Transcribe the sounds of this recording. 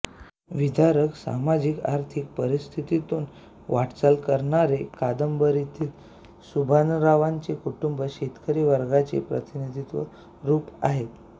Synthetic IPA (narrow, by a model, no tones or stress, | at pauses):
ʋid̪ʱaɾəksa̰mad͡ʑikaɾt̪ʰik̚pəɾist̪ʰit̪it̪uːn | ʋaʈt͡salkəɾɳaɾekad̪əmbəɾit̪ʰiːl | subʱanɾaʋaɲt͡ɕekuʈumbəɕet̪kəɾiːʋəɾɡat͡sḛpɾət̪inid̪ʱit̪ʋə̰ | ɾuːpa̰ɦet̪